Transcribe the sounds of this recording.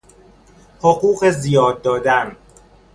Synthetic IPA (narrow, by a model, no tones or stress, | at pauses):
hoɢuːɢe̞zijɒːd̪ːɒːd̪æn